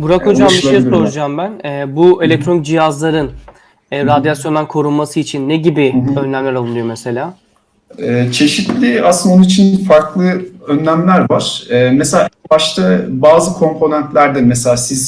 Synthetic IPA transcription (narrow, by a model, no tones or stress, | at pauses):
buɾakʰud͡ʒaːmbiʃejsoɾud͡ʒaːmbænɛːbue̞lʲɛc̚t̪ʰɾo̞nd͡ʒijazlˠaɾɯn | ɛːɾad̪ijasjo̞nd̪ankʰo̞ɾunmasɯit͡ʃʰinːeɟibiø̞nːʲæmlʲæɾalˠunˠɯjo̞mese̞lʲaː | ɛːt͡ʃʰe̞ʃit̪lʲiasɯnonuit͡ʃʰinfaɾklˠɯønːæmlʲæɾvaɾ̥ɛːmeselʲaːbaʃt̪abaːzɯkʰo̞mpʰo̞nɛnt̪lʲæɾd̪ɛmeselʲaːsiz